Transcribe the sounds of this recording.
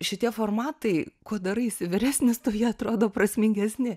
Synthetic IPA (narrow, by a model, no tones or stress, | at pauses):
ʃʲɪt̪ʲiɛfoːrmɑːt̪ɐɪkuɔd̪ɐɾɐɪɪsʲɪʋʲɪɾʲæːsʲnʲɪst̪oːjiɛɐt̪ɾoːd̪oːpɾɐsʲmʲɪŋʲɡʲɛsʲnʲɪ